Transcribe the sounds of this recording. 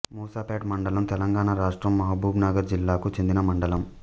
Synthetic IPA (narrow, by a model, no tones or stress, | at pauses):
muːsaːpaːʈmɐɳɖɐlɐmt̪ɛlɐŋɡaːɳaɾaːʂʈɾɐmːɐɦabuːbnaːɡɐɾd͡ʒilːaːkut͡ʃend̪inɐmɐɳɖɐlɐm